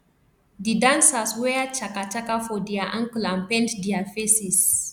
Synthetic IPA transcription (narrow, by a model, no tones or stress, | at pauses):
didansaswɛat͡ʃakat͡ʃakafodiaʔãŋklampɛntdiafesis